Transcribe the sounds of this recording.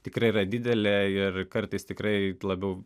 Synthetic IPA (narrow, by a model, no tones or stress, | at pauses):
t̪ʲɪkɾɐɪiɾɐd̪ʲɪd̪ʲɛlʲɛɪrkɐrt̪ɐɪst̪ʲɪkɾɐɪlˠɐbʲɛʊ